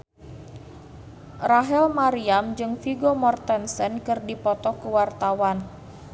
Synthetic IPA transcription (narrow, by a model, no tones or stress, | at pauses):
raɦɛlmaɾiamd͡ʒɨŋfiɡomɔrt̪ɛnsɛnkɨrdipɔt̪ɔkuwart̪awan